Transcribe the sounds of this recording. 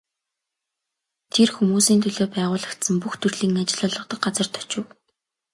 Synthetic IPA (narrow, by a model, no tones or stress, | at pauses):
t̪ʰerxumuːsiːnt̪ʰɵɮoːpæːʁʊːɮə̆kt̪sə̆mpuxt̪ʰɵrɮiːŋnat͡ɕɪ̆ɮʊɮʁɞ̆qt̪ə̆k̚ɢat͡sə̆r̥t̪ʰɔ̥t͡ɕʊ̆w